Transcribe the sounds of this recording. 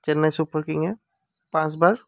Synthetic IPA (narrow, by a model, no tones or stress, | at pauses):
t͡ʃɐnːasupəɾkɪ̃ŋɡɦɛ | pãːt͡ʃbaːɾ